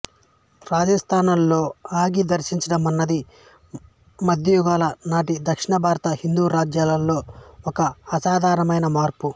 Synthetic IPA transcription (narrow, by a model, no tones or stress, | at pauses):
ɾaːd͡ʒɐst̪ʰaːnɐlːo̞ːaːɡid̪ɐɾʃiɲt͡ʃɐɽɐmɐnːɐd̪i | mɐd̪ʱjɐjuɡaːlɐnaːʈid̪ɐkʂiɳɐbʱaːɾɐt̪ɐhind̪uːɾaːd͡ʒjaːlɐlːo̞ːɔkɐːsaːd̪ʱaːɾɐmɐjnɐmaːɾpu